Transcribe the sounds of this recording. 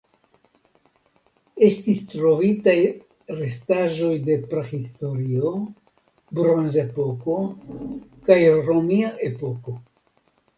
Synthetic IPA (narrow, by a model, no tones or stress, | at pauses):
e̞stistɾo̞vitaj | ɾe̞staʒo̞jde̞pɾehisto̞ɾio | bɾonze̞po̞ko̞ | kajɾo̞miaʔe̞po̞ko̞